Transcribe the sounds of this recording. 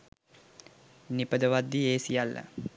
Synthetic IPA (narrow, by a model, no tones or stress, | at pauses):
nipəd̪əʋad̪ːieːsijalːə̰